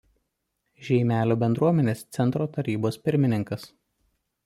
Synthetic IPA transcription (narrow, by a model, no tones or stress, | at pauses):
ʒʲɛɪmʲæːlʲoːbʲɛnd̪ɾuɔmʲɛnʲeːst̪sʲɛnt̪ɾoːt̪ɐɾʲiːboːspʲɪɾʲmʲɪnʲɪŋkɐs